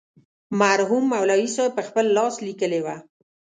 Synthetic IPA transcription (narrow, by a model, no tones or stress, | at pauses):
maɾɦumːawlɑwisɑjpəxpəlːɑslikəlewa